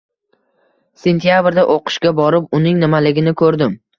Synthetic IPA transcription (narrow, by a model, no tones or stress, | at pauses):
se̞nt̪ʰijabɾd̪aʔoqɨ̥ʃɡʲabɒɾɪp̚ʊnɪŋnɪmalɪɡʲɪnɪkʰɵɾd̪ɪm